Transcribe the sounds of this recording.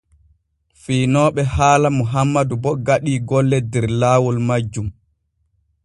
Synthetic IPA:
fiːnɔːɓɛhaːlamuɦamːadubɔɡaɗiːɡɔlːɛdɛɾlaːwɔlmad͡ʒːum

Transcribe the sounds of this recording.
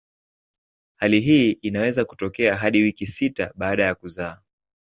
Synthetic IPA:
haliɦiːʔinawɛzaku̥tɔkɛaɦaɗiwikisitaɓaːɗajakuzaː

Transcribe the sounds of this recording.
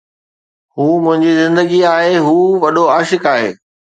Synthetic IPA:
huːmʊ̃ɦɪ̃ɲd͡ʑizɪ̃nd̪əɡiaːɦeɦuːʋɐɗoaːʃɪkaːɦḛː

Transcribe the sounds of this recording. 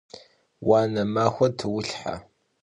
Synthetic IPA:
waːnɐmaːxʷɐtʰɨwʊɬħa̰

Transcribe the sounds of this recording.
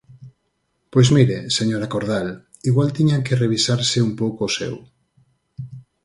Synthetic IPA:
pojzmiɾeseɲoɾakoɾð̞al | iɣwalt̪iɲaŋkereβ̞isaɾseumpowkoosḛw

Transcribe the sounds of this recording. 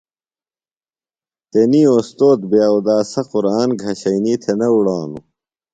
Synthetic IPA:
t̪eniːoːst̪oːt̪̚beud̪aːsɐquɾaːnɡʱɐɕɐiniːt̪ʰenɐuɽaːnṵ

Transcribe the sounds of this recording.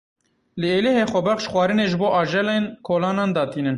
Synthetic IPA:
lɨeːleɦeːxʷɛbɛχʃxʷwɑːɾɨneːʒɨboːʔɑːʒɛlenkʰoːlɑːnɑːnd̪ɑːt̪ʰiːnɨn

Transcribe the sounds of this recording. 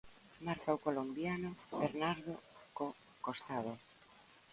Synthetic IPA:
maɾkaukolombjanʊβeɾnaɾðoko | kost̪að̞o

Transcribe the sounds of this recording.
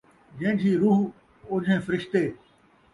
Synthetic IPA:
d͡ʑɐ̃ːɪ̃d͡ʑʰʱiːɾuːɦ | oːd͡ʑʱẽːfəɾɪʃt̪eː

